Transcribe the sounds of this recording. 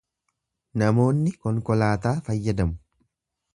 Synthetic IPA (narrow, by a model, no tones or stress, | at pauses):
nɐmo̞ːnːɪkɔŋkɔlaːt̪aːfɐjːɐd̪ɐmʊ̥